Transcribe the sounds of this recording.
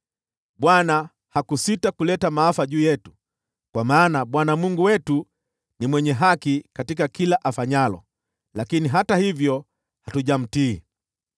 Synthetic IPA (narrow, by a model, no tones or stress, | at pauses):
ɓwana | hakusitakulɛtamaːfaʄuːjɛtu̥ | kwamaːnaɓwanamuŋɡuwɛtu | nimwɛɲɛɦakikatikakilaʔafaɲalɔ̰ | lakiniɦatahivjɔ | hatuʄam̩tiː